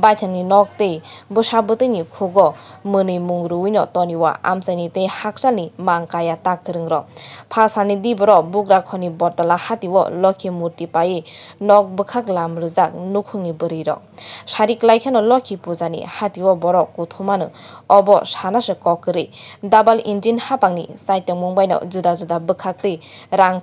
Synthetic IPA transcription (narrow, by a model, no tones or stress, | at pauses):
bajtʰaŋninɔk̚tejbɯsabɯtɯjnikʰuɡɔmɯnɯjmuŋɾɯujnɔtɔniwa̰ʔa̰msajnitejhak̚salnimaŋkajatakːɯɾɯŋɾɔpʰasanidibɔɾɔbukɾakʰɔnibɔɾtalahatiwɔ̰lɔkʰimuɾtipajinɔk̚bɯkʰaklamɾɯzak̚nukʰɯŋnibɯɾɯjɾɔ̰saɾiklajkʰanɔlɔkʰipuzanḭhatiwɔbɔɾɔkːutʰumanɯ̰ɔbɔsanasɯkɔkːɯɾidabalindinhapaŋnḭsajtːɔŋmuŋbajnɔ̰zudazudabɯkʰak̚ti | ɾaŋ